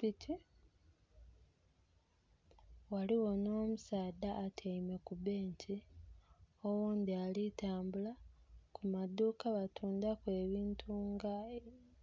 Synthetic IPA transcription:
pitʰi | waliwo̞no̞ːmusaːdaːtʰeime̞kubeːɲcʰi | owuːnd̪ialitaːmbulakumadːuːkaβatʰuːndakwe̞ːβiːntʰuŋɡa

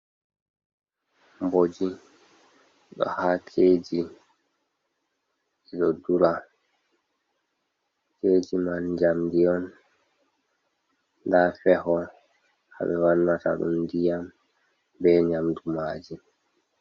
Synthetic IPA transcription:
mbod͡ʒi | ɗɔ̰haːkʰeːd͡ʒi | ɛɗɔduɾa | keːd͡ʒimand͡ʒamdijɔn | dafɛɦɔ | ha̰ɓɛwanːata̰ɗṵmdijam | bɛɲamdumaːd͡ʒi

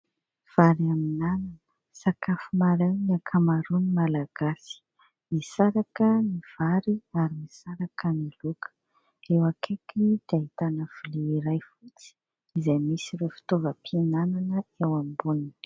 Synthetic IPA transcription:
v̥aɾiaminananə̥ | sakafumaɾajniakʰamaɾunimalaɡ̥asi̥ | misaɾakəniv̥aɾiaɾimisaɾakənilukə̥ | ewakʰekid̪̥ait̪anəv̥ileiɾajfut͡si̥ | izajmisiɾefi̥t̪ovəpʰinananəewambunin

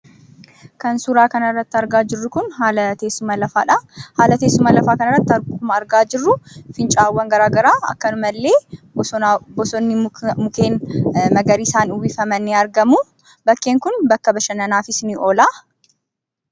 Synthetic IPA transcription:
kɐnsuɾaːkɐnɐrːɐt̪ːɪɐɾɡaːd͡ʒɪrːʊkʊnɦaːlɐt̪eːsːʊmɐlɐfaːᶑahaːlɐt̪eːsːʊmɐlɐfaːkɐnɐrːɐt̪ːɪɐɾɡʊkʊmɐːɾɡaːd͡ʒɪrːʊfɪnt͡ʃʼaːwːɐŋɡɐɾaːɡɐɾaːɐ̰kːɐnʊmɐlːe̞ːbbɔsɔnːɪmʊkeːnmɐɡɐɾiːɪsaːnʊbiːfɐmɐnːeɐɾɡɐmu | bɐkːeːŋkʊnbɐkːɐbɐʃɐnɐnaːfɪsnɪʔoːlaː

